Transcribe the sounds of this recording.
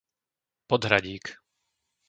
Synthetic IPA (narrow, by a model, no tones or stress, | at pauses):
pɔd̪ɦɾaɟiːk